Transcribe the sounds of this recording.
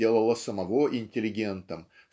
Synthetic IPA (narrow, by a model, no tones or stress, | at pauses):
e̞lˠəlˠəsəmɐvo̞ʔɪnʲtʲɪlʲɪɡʲe̞nt̪əm